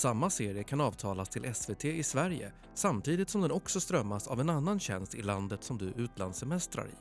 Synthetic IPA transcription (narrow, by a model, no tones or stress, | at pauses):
samːaseːɾɪəkʰanɑːvt̪ʰɑːlast̪ʰɪlʔɛsvet̪ʰeːɪsvæɾjə̰ | samt̪ʰiːd̪ɪt̪sɔmd̪ɛnɔksɔst̪ɾœmːasa̰vɛnanːanɕɛnst̪ɪland̪ət̪sɔmd̪ɵʔʉ̟ːt̪land̪sɛmɛst̪ɾa̰ɾɪ̰